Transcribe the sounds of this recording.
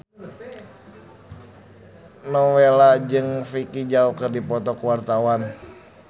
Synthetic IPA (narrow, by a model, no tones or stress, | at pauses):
nɔwelad͡ʒɨŋfikid͡ʒaukɨrdipɔt̪ɔkuwart̪awan